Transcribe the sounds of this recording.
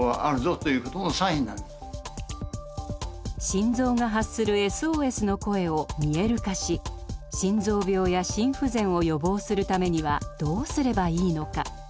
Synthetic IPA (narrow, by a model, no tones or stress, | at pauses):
βaʔaɾɯ̟zot̪ojɯ̟ːkot̪onosaiĩnːãn | ɕĩnzo̞ːŋaɦasɨɾɯ̟e̞sɨoːe̞sɨno̞ko̞e̞o̞mʲie̞ɾɯ̟kaɕiɕĩnzo̞ːbʲjo̞ːjaɕĩɰ̃ɸɯzẽ̞ɰ̃o̞jo̞bo̞ːsɨɾɯ̟t̪ame̞ɲ̟iβad̪̥o̞ːsɨɾe̞baiːno̞ka̰